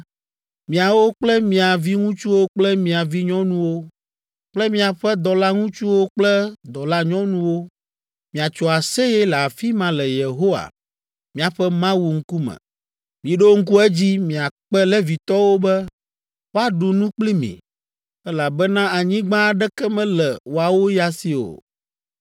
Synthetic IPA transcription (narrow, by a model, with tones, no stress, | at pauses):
mĩ˨a˨wo˦k͡plɛ˦mĩ˨a˨vi˦ŋũ˦t͡ʃu˦wo˦k͡plɛ˦mĩ˨a˨vi˦ɲɔ̃˦nũ˦wo˦ | k͡plɛ˦mĩ˦a˨ɸɛ˦d̪ɔ˨la˦ŋũ˦t͡ʃu˦wo˦k͡plɛ˦d̪ɔ˨la˦ɲɔ̃˦nũ˦wo˦ | mĩ˨a˨t͡ʃɔ˨a˨se˦jɛ˦lɛ˨a˨fi˦mã˨lɛ˨je˨ɦo˦wa̰˨ | mĩ˨a˨ɸɛ˦mã˦wu˨ŋ̩˦ku˦mɛ̰̃˨ | mĩ˨ɖo˦ŋ̩˦ku˦ɛ˦d͡ʑi˦mĩ˨a˨k͡pɛ˦lɛ˦vi˨t̪ɔ˦wo˦bɛ˦ | wa˦ɖu˨nũ˦k͡pli˦mḭ̃˨ | ɛ˦la˨bɛ˦nã˦a˨ɲĩ˦ɡ͡bã˦˨ɖɛ˦kɛ˦mɛ̃˦lɛ˨wo˨a˨wo˦ja˦si˨o̰˨